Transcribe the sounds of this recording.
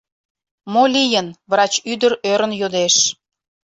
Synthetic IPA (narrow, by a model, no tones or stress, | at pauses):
molʲijənβrɑt͡ɕyd̪əɾøɾənjod̪eʃ